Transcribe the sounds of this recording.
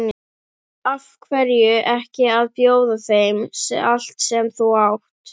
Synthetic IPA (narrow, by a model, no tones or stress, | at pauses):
afkʰvɛɾjʏʔɛhcɪaðpjoːwðaθejmsɛal̥t̪sɛmθuwawht̪